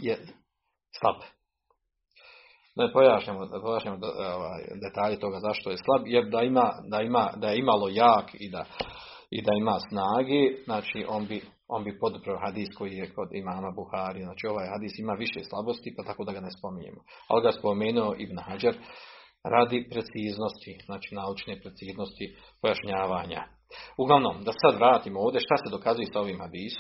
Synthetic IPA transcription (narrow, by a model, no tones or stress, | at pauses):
je | slˠa̰b̥ | napo̞jaːʃɲaːmopojaːʃɲaːmooʋa̰ːjd̪et̪aːʎet̪o̞ɡazaʃt̪o̞jeslˠabjeɾd̪aimaːd̪aimaːd̪ajeimalo̞jaːkid̪a | ḭd̪aimaːsnaːɡeːznaːt͡ʃiʔo̞nbi | o̞nbipo̞d̪upɾooɦad̪iːsko̞jijeko̞d̪ḭmaːmabuhaːɾijeznaːt͡ʃiːo̞ʋaːjhad̪iːsimaːʋiʃeːslˠabo̞st̪ipat̪akod̪aɡanespo̞miɲḛːmo | a̰liɡaspo̞meːnuo̞ʔibnhad͡ʒaɾ | ɾʔaːd̪ipɾe̞t̪siːzno̞st̪iz̥naːt͡ʃiːnaːut͡ʃneːpɾe̞t̪siːzno̞st̪i | po̞jaʃɲaːʋaːɲa̰ | uɡlˠaʋno̞̰md̪asesad̪ʋɾaːt̪iːmo̞ːʋd̪ʲeʃt̪ase̞d̪o̞kazuje̞sao̞ʋiːmhad̪iːsom